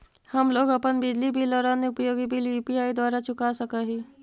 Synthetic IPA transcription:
həmloːɡəpənbid̪libʱiləɾãːneʊpəjoːɡibʱiljuːpiaːid̪waːɾat͡ʃʊkasəkaɦiː

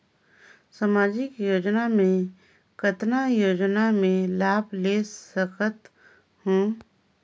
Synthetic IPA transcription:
samaːd͡ʒɪkjoːd͡ʒnamẽ | kət̪najoːd͡ʒnamẽlaːbleːsəkət̪ | hõː

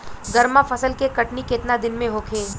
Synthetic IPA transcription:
ɡɐɾmafɐsəlkekɐʈnikɪt̪nad̪ɪnmẽɦoːkʰẽː

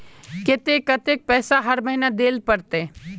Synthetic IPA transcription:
ket̪ekɐt̪ek̚pɛːsaɦɐɾmɐɦinad̪eːlpɐɾt̪e

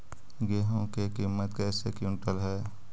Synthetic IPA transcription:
ɡeːɦõkekiːmːət̪kɛːsekjũnʈəlɦɛː

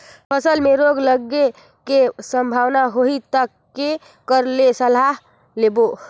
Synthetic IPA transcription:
pʰəsəlmeɾoɡləɡːe | kesəmbʱaʋnaɦoit̪əkːe | kəɾlesəlaɦ | lebo

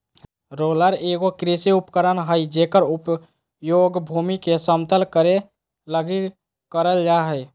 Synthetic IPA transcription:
ɾoːləɾeːɡokɾesiʊpkəɾənɦəid͡ʒeːkəɾʊp | joːɡbʱuːmikesəmt̪əlkəɾe | ləɡi | kəɾəld͡ʒaɦə

